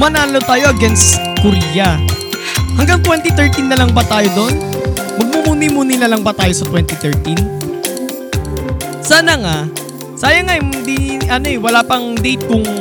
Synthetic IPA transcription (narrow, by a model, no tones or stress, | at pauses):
mɐnaːnlot̪aːjo̞ʔɐɡɛnskʊɾijɐ | hɐŋɡaŋt̪wɛnt̪it̪ɛɹt̪inːɐlɐŋbɐt̪aːjod̪o̞n | mɐɡ̚mumuːnimuːnɪlalɐŋbɐt̪aːjo̞sɐt̪wɛnt̪ɪt̪ɛɹt̪in | saːnɐŋa | saːjɐŋaʔɛmnd̪iʔɐno̞ɛwɐlaːpɐŋd̪iːt̪ʊŋ